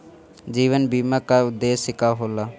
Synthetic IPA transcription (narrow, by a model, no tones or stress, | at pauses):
d͡ʒiːʋənbiːmaːkaʊd̪ːeːsɪkaɦoːlaː